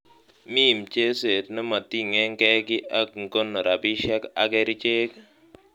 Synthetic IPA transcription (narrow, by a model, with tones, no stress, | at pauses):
mi˦˨mt͡ʃe˦se˨tnɛ˦ma˨ti˦ŋɛ˦ŋkɛ˦ɡɪ˦ʔa˦kŋ˨ko˦nːo˨ɾa˨bi˦ʃɛ˦ka˨kɛ˦ɾi˦t͡ʃe˦k